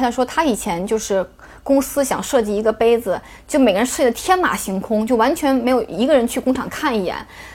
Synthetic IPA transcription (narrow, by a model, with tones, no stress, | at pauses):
ɕjɑ˥˩˧ŋʂwɔ˥t̪ʰa˥i˨˩t͡ɕʰjɛ˧˥nt͡ɕjo˥˧ʊʂɻ̩˥˩ | kʊ˥ŋsɹ̩˥ɕjɑ̰˨˩ŋʂɤ˥˧t͡ɕi˥˩i˧˥ɡə˧pe˥ɪd͡zɹ̩˨ | t͡ɕjʊme˨˩ɪɡə˧ɻə˧˥nʂɤ˥˩t͡ɕi˥˩ə˧t̪ʰjɛ˥nma̰˨˩ɕi˧˥ŋkʰʊ˥ŋt͡ɕjo˥˩ʊwa˧˥nt͡ɕʰɥɛ˧˥nm˧˥ɪjo˨˩ʊi˧˥ɡə˧ɻə˧˥nt͡ɕʰy˥˩kʊ˥ŋʈ͡ʂʰɑ̰˨˩ŋkʰa˥˩ni˥˩jɛ̰˨˩˦n